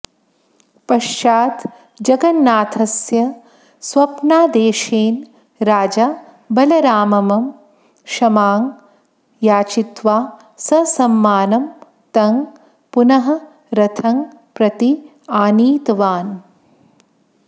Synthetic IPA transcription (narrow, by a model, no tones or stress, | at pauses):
pɐʃt͡ʃaːt̪ | d͡ʒɐɡɐnːaːt̪ʰɐsjɐ | sʋɐpnaːd̪eːʃeːn | ɾaːd͡ʒa | bɐlɐɾaːmɐmɐm | ʃɐmaːŋ | jaːt͡ʃit̪ʋaː | sɐsɐmːaːnɐm | t̪ɐŋɡ | punɐɦɐ | ɾɐt̪ʰɐŋ | pɾɐt̪i | aːniːt̪ʋaːn